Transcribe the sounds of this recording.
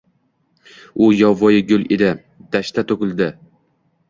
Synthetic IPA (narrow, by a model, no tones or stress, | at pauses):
ʊjɒvɒjɪɡʲʊle̞d̪ɪ | d̪̥aʃt̪ʰat̪ʰokʲɪlˠd̪ɪ